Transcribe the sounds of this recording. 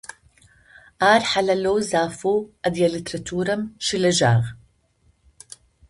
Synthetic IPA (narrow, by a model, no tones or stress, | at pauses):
ʔaːɾħalɐloːzaːfuʔɐd̪jɐlit̪ɾɐt̪ʰuːɾɐmʃilɐʒaːɣ